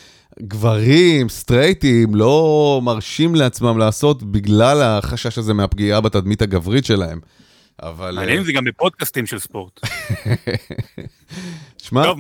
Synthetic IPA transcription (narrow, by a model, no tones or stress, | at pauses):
ɡvaʁimst̪ʁejtimlo̞maʁʃimleat͡smamlaːso̞t̪biɡlalaχaʃaʃazemeapɡiabat̪ad̪mit̪haɡavʁitʃe̞lahe̞m | ʔa̰valanjenimzeɡambepod̪̚kast̪imʃelspo̞ʁt̪ | ʃmao